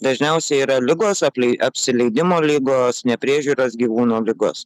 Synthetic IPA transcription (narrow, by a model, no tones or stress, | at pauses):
d̪ɐʒʲnʲɛʊsʲɛiːɾɐlʲɪɡoːsɐpʲlʲɛɪɐpʲsʲɪlʲɛɪd̪ʲɪmoːlʲɪɡoːsnʲɛpʲɾʲiːʒʲuːɾosɡʲiːʋuːnoːlʲɪɡo̰ːs